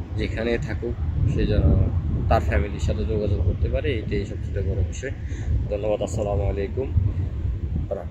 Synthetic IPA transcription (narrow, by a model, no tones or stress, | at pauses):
d͡ʑekʰanet̪ʰakuʃed͡ʑɛnot̪aɾfɛmiliɾʃat̪ʰed͡ʑoɡad͡ʑoɡ̚koɾt̪epaɾeejʈeejʃɔb̚t͡ɕʰit̪obɔɾobeʃɔj | d̪ʱonːoβad̪asalamalejkum | ɾa